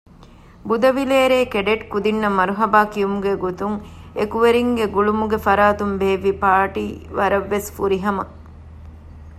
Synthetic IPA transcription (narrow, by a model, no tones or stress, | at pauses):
bud̪ɐʋileːɾeːkeɖeʈkud̪inːɐmɐɾuɦɐbaːkijumuɡeɡot̪uŋekuʋeɾiŋɡeɡuɭumuɡefɐɾaːt̪umbeːʋipaːʈiːʋɐɾɐʋːesfuɾiɦɐmɐ